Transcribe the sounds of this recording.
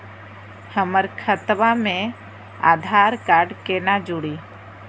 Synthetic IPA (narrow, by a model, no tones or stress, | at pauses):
həməɾkʰət̪bamẽ | a̰d̪ʱaɾkaɾɖkenad͡ʒuɽi